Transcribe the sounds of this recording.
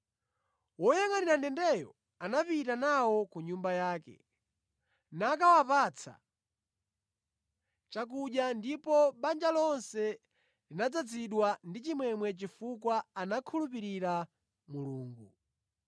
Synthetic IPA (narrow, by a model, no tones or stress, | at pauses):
wɔjaŋaninandɛndɛjɔ | anapitanawɔkuɲumbajaːkɛ̰ | nakawapat͡sʰa̰ | t͡ʃak̬uɗjandipɔɓand͡ʒalɔnsɛ | linad͡zad͡ziɗwandit͡ʃimwɛmwɛt͡ʃifukwaːnakʰulupiɾiɾa | muluːŋɡu